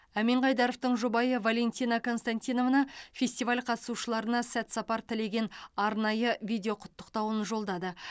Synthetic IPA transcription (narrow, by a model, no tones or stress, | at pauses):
æmeɴʁɑjd̪ɑɾoft̪əɴʒubɑjəvalʲe̞nʲt̪ʲijnɑko̞nst̪anʲt̪ʲijno̞vnɑfʲe̞sʲt̪ivalʲqʰɑt̪ə̥suʃəlˠɑɾənɑsæt̪sɑpɑɾt̪ʰɪle̞ɡʲe̞nɑɾnɑjəvʲijd̪ʲeo̞qʰʊ̥t̪ːə̥qt̪ɑwənʒo̞lˠd̪ɑd̪ə